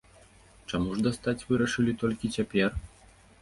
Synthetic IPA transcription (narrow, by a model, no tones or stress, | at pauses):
t͡ʂamuʐd̪ast̪at͡sʲvɨɾɐʂɨlʲit̪ɔlʲkʲit͡sʲapʲɛr